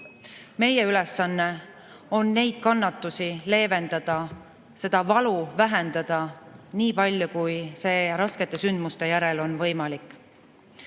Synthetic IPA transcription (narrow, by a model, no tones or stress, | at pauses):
me̞jeylesɑnːe | o̞nːe̞jd̪̥̚kɑnːɑt̪ːˑusile̞ːve̞nd̪̥ɑd̪̥ɑ | se̞d̪̥ɑvɑluvæɦend̪̥ɑd̪̥ɑniːpɑlʲjokujse̞ːɾɑske̞t̪ːˑe̞synd̪must̪e̞jæɾe̞lo̞nvɤ̞jmɑlikːˑ